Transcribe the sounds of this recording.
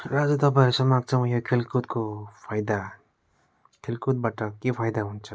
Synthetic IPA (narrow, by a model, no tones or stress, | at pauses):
rad͡zut̪ʌp̬ãjʌɾsʌmaɡ̚t͡sʰʌw̃jokʰelkut̪̚kopʰajd̪a | kʰelkut̪̚baʈʌkepʰajd̪aɦunt͡sʰʌ̥